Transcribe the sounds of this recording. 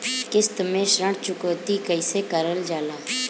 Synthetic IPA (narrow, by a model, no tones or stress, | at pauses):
kɪst̪əmẽːʃɾəɳt͡ʃʊkoːt̪iːkəɪseːkəɾəld͡ʒaːlaː